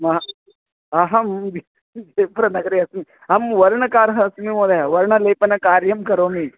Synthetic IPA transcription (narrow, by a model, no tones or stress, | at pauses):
mɐ | aɦɐmd͡ʒi | d͡ʒepɐɾɐnɐɡɐɾiɐsmi | ɐmʋɐɾɳɐkaːɾɦɐɐsmimoːd̪ɐʋɐɾɳɐleːpɐnɐkaːɾjɐmkɐɾoːmi